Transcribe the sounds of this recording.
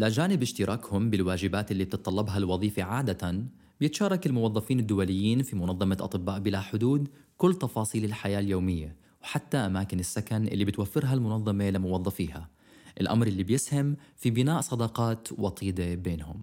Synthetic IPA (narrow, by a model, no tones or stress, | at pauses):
lad͡ʒaːnɪbɪʃt̪ɪɾˤʔɑːkhʊmbɪlwaːd͡ʒɪbaːt̪ʔɪlːib̚t̪ɪt̪ˤːɑlːɑbɦɑlwɑðˤiːfaʕaːd̪at̪an | bjɪt̪ʃɑːɾˤɑkɪlmʊwɑðˤːɑfiːnɪd̪ːʊwalɪjːiːnfimʊnɑðˤːɑmɑʔɑ̰t̪ˤɨbːaːʔbɪlaħʊd̪uːd̪kʊlːt̪ɑfɑːsˤiːlɪlħajaːljoːmɪjːa | wħat̪ːaʔamaːkɪnɪsːakanʔɪ̰lːibɪt̪wafːɪɾɦalmʊnɑðˤːɑmelɪmʊwɑðˤːɑfiːha̰ | ʔɪlʔa̰mɾʔɪlːibjɪshamfibɪnaːʔsˤɑd̪ɑqɑːt̪wɑt̪ˤiːd̪ebeːnhʊm